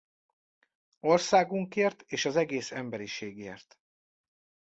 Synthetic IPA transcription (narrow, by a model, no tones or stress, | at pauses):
o̞rsaːɡuŋkeːrt̪eːʃɒzɛɡeːsɛmbɛɾiʃeːɡḛːrt̪